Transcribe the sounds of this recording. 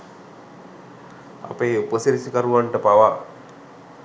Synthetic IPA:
a̰peːupəsiɾisikaɾuʋaɳʈəpaʋa

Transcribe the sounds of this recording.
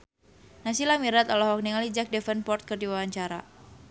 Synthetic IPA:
nasilamiɾat̪alɔɦɔk̚niŋalid͡ʒak̚dɛfɛnpɔrt̪̚kərdiwawaɲt͡ʃaɾa̰

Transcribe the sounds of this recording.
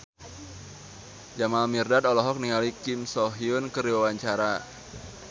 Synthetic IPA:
d͡ʒamalmirdat̪ɔlɔɦɔk̚niŋalikɪmsɔɦiʊnkəɾiwawaɲt͡ʃaɾa

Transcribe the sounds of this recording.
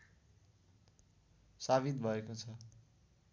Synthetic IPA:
saβit̪bʱʌekot͡sʰʌ

